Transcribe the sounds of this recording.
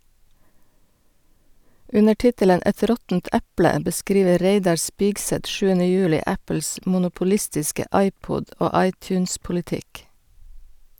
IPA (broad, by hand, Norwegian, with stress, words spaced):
ˈʉnə ˈʈɪtələn ˈɛt ˈɾɔtn̩t ˈɛplə bəˈskɾiːʋə ˈɾeɪdɑɾ ˈspɪɡsɛt ˈʃʉːənə ˈjʉːlɪ ˈæpl̩s mʊnʊpʊˈlɪstɪskə ˈɑɪˌpʊd ˈoː ˈɑɪˌtʉːnspʊlɪˌtɪk